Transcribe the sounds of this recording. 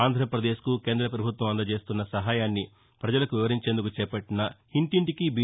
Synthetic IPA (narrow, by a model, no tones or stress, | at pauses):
aːnd̪ʱɾɐpɾɐd̪e̞ːʃkuke̞ːnd̪ɾɐp̬ɾɐbʱut̪ʋɐmɐnd̪ɐt͡ʃe̞ːst̪unːɐsɐɦaːjaːnːi | pɾɐd͡ʒɐlɐkuʋiʋɐɾiɲt͡ʃe̞ːnd̪ukut͡ʃɛːpɐʈːinɐhiɳʈiɳʈikibi